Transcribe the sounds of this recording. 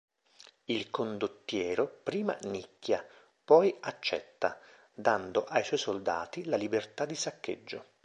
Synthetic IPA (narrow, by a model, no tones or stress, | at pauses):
ilkond̪ot̪ːjɛːɾopɾiːma̰nikːja | pɔjat͡ʃːɛ̰t̪ːa | d̪and̪oʔajswɔjsold̪a̰ːt̪ilalibert̪ad̪isakːḛd͡ʒːo